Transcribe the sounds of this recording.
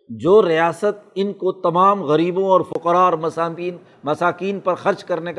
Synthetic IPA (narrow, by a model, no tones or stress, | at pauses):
d͡ʒoːɾijaːsət̪̚ɪnkot̪ɐmaːmɣɐɾiːbõɔːɾfʊqɾaːɔɾmɐsːiːn | mɐsaːkiːnpɐɾxɐɾt͡ʃkɐɾnek